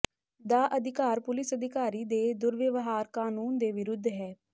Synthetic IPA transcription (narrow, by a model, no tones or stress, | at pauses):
d̪aːʔəd̪ɪkaːɾpʊlɪsəd̪ɪkaːɾiːd̪eːd̪ʊɾʋɪʋɦaːɾkaːnuːnd̪eːʋɪɾʊd̪ʱːɦɛː